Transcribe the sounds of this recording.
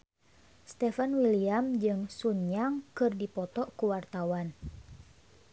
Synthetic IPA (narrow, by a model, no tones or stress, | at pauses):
st̪ɛfanwiliamd͡ʒɨŋsuɲaŋkɨrdipɔt̪ɔʔkuwart̪awan